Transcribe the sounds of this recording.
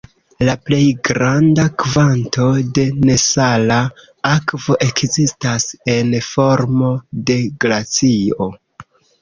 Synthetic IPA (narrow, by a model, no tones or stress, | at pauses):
laple̞jɡɾandakvantʰo̞de̞ne̞sala | akvo̞ʔe̞kzistase̞nfo̞ɾmode̞ɡlat͡sio̞